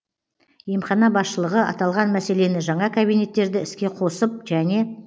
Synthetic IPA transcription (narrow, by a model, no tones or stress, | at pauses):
jemχɑnɑbɑsʃəlˠəʁəɑ̰t̪ɑlˠʁɑnmæse̞le̞nɪʒɑɴɑkʰabijne̞t̪ːe̞ɾd̪ɪɪskʲe̞qʰo̞səp̚ʒæne̞